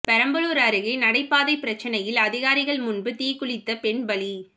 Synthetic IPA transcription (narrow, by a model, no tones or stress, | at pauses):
pɐɾɐmbɐɭuːɾɐɾɯɣɐnɐɽɐɪpːaːðɐɪpɪɾɐt͡ʃːɐnɐjɪlɐðɪɣaːɾɪɣɐɭmʊnbɯt̪iːkʊɭɪt̪ːɐpɛɳbɐɭi